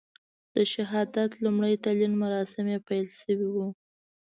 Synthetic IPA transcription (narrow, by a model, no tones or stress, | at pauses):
d̪̥əʃɪɦɑd̪at̪lumɽəjt̪alinmaɾɑsɪmepajlʃəwiwu